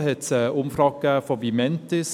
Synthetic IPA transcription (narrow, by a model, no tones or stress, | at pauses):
hɛtːʔʊmfrɑːɡ̥əfɔvimɛntɪs